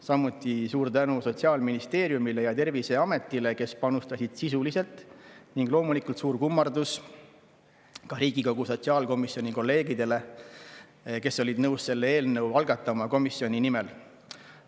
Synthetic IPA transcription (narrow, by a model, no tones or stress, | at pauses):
sɑmːut̪ːˑisuːɾt̪ænuso̞t̪siɑːlminist̪e̞ːɾjumile̞jɑt̪e̞rvise̞ɑme̞t̪ːˑile̞ke̞spɑnust̪ɑsid̪̥sisulise̞lt̪ˑniŋɡ̥lo̞ːmulikult̪suːrkumːɑrd̪us | kɑɾiːɡ̥iko̞ɡ̥uso̞tsiɑːlko̞misjo̞nʲiko̞lːe̞ːɡid̪e̞le̞ | ke̞sːo̞lʲid̪nɤwsse̞lːee̞ːlnɤwɑlɡ̥ɑt̪ːˑɑmɑko̞misːio̞nʲinimel